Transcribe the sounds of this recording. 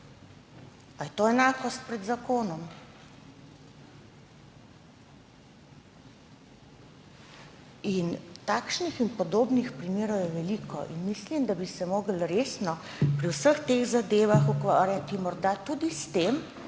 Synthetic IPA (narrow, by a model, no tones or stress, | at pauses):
ajɛt̪oːɛnaːkɔst̪̚pɾɛd̪zakoːnɔm | int̪aːkʃnixinpɔd̪oːbnixpɾimeːɾɔwjɛʋɛlikɔ̰ʔinmislimd̪abisɛmoːɡəlɾeːsnɔ | pɾiwsəxt̪eɣzad̪eːʋaxukʋaːɾjat̪imɔɾd̪at̪uːd̪ist̪em